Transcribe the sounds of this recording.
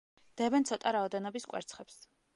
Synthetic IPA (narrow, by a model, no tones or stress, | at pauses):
d̪̥ɛbɛnt̪sʰɔt̪ʼaɾaɔd̪ɛnɔbiskʼwɛ̰ɾt̪sʰχɛps